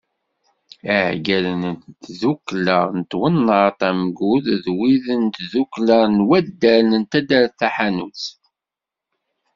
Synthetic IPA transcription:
æʕɡælənnt̪zukːləʁnət̪wənːəɾt̪ˤæmɡuððwiðənt̪zukləʁnwæd̪ːæɾnənt̪æd̪æɾθæħanut͡s

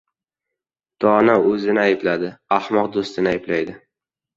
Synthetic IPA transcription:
d̪̥ɒnaɵzɪnɪajɪblad̪ɪahmɒqd̪ost̪ɪnɪajɪblajd̪ɪ

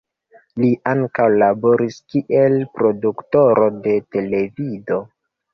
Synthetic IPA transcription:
liʔaŋkawlabo̞ɾiskiʔe̞lpɾo̞dukto̞ɾo̞de̞te̞le̞vido̞

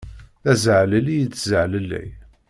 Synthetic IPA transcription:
θæzəʕləlijət͡sːzəʕləlːæ̰j

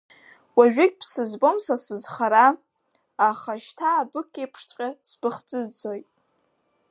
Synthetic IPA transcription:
waʒᶣɪkʲpʰsɨzbomsasɨzχaɾa | aχaʃtʰaːbɨkʲʼːejpʰʂt͡sʷʼqʲʼasb̥ɨχt͡sʼɨd͡zojtʼ

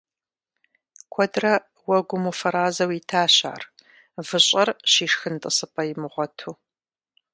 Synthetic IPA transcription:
kʷʰɔdrɐ | wɐɡʷʊmufɐɾaːzɐwiːtʰaːɕa̰ːr | vɨɕʼɐrɕiːʂxɨntʼɨsɨpʼɐjɪmɨʁʷɔtʰuː

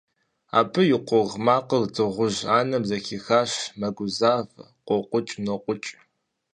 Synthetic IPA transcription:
a̰ːpʰɨjɪqʷʊʁmaːqərd͡zɨʁʷʊʒaːnɐbzɐxiːxaːɕmɐɡʷʊzaːv | qʷɔqʷʊt͡ʃʼnɐqʷʼʊt͡ʃʼ

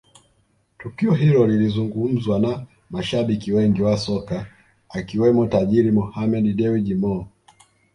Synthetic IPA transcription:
tukiɔɦilɔlilizuŋɡum̩zwana | maʃaɓikiwɛŋɡiwasɔka | akiwɛmɔtaʄiɾimɔhamɛɗiɗɛwiɗimɔ

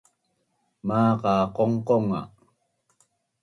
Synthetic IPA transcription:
maːqɑːqoɴqoŋa̰

